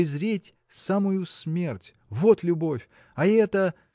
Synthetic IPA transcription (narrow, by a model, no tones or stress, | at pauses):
ɪzɾʲetʲ | samʊjʊsmʲe̞rtʲ | vo̞t̪lʲʊbo̞fʲ | ɐɛt̪ə